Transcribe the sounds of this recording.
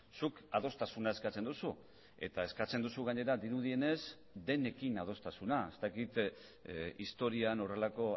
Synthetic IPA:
sukað̞o̞st̪asunae̞skat͡se̞nd̪usu | e̞̰t̪ae̞skat͡se̞nd̪usuɣaɲe̞ɾad̪iɾuðie̞ne̞z | d̪e̞ne̞kinað̞o̞st̪asunae̞st̪akit̪ | ist̪o̞ɾiano̞re̞lako̞

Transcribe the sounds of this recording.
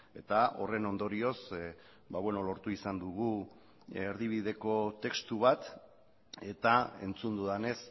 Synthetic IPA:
e̞t̪aʔo̞̰re̞no̞nd̪o̞ɾio̞s | baβwe̞no̞lo̞ɾt̪uisand̪uɣu | eɾðiβ̞iðe̞ko̞t̪e̞kst̪uβat̪ | e̞t̪ae̞̰nt͡sund̪uðane̞s

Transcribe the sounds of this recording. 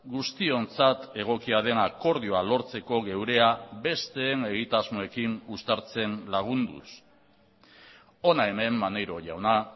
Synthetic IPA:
ɡust̪io̞nt͡sat̪e̞ɣ̞o̞kiaðe̞nako̞ɾð̞io̞alo̞ɾt͡se̞ko̞ɣe̞wɾe̞abe̞st̪e̞ːne̞ɣ̞it̪azmo̞e̞kinust̪aɾt͡se̞nlaɣ̞und̪ṵs | o̞nae̞me̞mːane̞jɾo̞ʝawna

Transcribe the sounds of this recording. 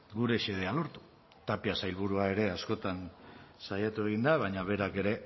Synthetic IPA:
ɡuɾe̞ʃeð̞ealo̞ɾt̪u̥ | t̪apiasajlβuɾuae̞ɾe̞asko̞t̪ansajat̪ue̞ɣ̞ind̪aβajɲaβ̞e̞ɾake̞ɾe̞

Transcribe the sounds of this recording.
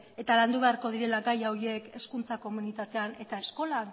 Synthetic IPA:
e̞t̪aland̪uβe̞aɾko̞ð̞iɾe̞laɡajawie̞ke̞skunt͡sako̞munit̪at̪e̞ane̞t̪ae̞sko̞lan

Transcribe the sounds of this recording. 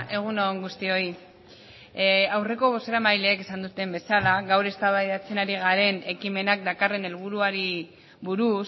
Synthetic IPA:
ʔe̞ɣ̞unoŋɡust̪io̞i | awre̞ko̞βoseɾamajle̞ːke̞sand̪ut̪e̞mbe̞salaɣawɾe̞st̪aβajðat͡se̞naɾiɣ̞aɾe̞ne̞kime̞nak̚d̪akare̞ne̞lβ̞uɾuaɾi | βuɾus

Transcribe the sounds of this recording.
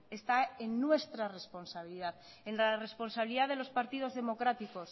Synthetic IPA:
e̞st̪aenːwe̞st̪ɾare̞spo̞nsaβ̞iliðað | enlare̞spo̞nsaβiliðaðelo̞spaɾt̪ið̞o̞zðe̞mo̞kɾat̪iko̞s

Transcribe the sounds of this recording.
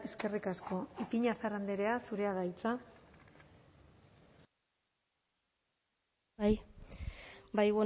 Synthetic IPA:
e̞ske̞rikasko̞ipiɲasarand̪eɾe̞asuɾe̞að̞ajt͡sa | aj | bajɣo

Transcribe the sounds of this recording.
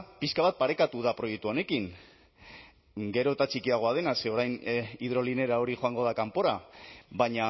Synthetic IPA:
piskaβat̪̚paɾe̞kat̪uð̞apɾo̞jek̚t̪uo̞ne̞kiŋ | ɡe̞ɾo̞t̪at͡ʃikiaɣ̞o̞að̞e̞naseo̞ɾajniðɾo̞line̞ɾao̞ɾixo̞aŋɡo̞ðakampo̞ɾaβajɲa

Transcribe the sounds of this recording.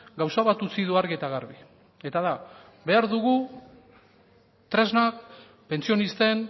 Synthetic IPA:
ɡawsaβat̪ut͡siðuaɾɣiet̪aɣaɾβi | e̞t̪aða | be̞aɾðuɣ̞u | t̪ɾe̞znak | pe̞nt͡sio̞nist̪e̞n

